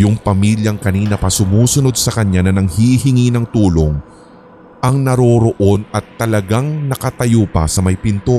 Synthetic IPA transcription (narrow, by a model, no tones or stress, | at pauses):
jʊŋpɐmiːljɐŋkɐniːnɐpɐsʊmuːsʊno̞d̪̚sɐkɐɲanɐnɐŋhihɪŋinɐŋt̪uːlo̞ŋ | ʔɐŋnɐɾo̞ɾo̞ʔo̞nɐt̪ːɐlɐɡaŋnɐkɐt̪ɐjopɐ̰sɐmɐjpɪnt̪o